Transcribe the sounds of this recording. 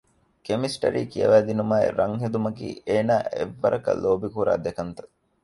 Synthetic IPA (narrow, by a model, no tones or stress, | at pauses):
kemisʈɐ̰ɾiːkijɐ̰ʋæːd̪inumaːḛɾɐŋɦed̪umɐkḭːʔeːnaːʔeʋːɐ̰ɾʔɐkɐ̰loːbikuɾa̰ːd̪ekɐnt̪ɐ̥